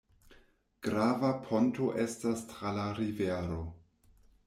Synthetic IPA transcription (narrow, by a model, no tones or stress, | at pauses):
ɡ̥ɾavapʰo̞ntoʔe̞stastɾalaɾiveɾo̞